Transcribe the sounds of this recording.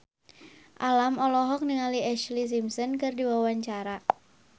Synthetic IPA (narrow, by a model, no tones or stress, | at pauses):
ʔalamɔlɔɦɔk̚niŋaliɛʃlis̬imsɔnkɨrdiwawaɲt͡ʃaɾa